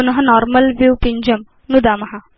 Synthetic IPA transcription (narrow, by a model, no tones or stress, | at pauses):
unɐɦɐ̆nɔːɾmɐlʋiwpiɲd͡ʒɐm | nud̪aːmɐɦa